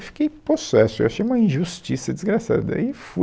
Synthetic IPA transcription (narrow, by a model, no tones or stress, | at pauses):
fi̥kejposɛsʊewaʃejũmɐĩʒust͡ʃisɐd͡ʒizɡɾasa̰d̪ɐ̰ɪfu